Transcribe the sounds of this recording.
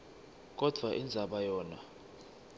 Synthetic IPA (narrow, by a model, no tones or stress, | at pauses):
k̬ʼɔd̥ʱwaʔind͡zʱaɓajɔːna